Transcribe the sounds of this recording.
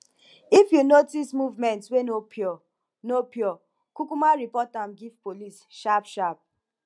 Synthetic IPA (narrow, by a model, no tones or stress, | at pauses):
ifjunotismuvmɛ̃ntwenopʰjɔ | nopjɔ | kukumaɾipɔtamɡivpolisʃapʃap̚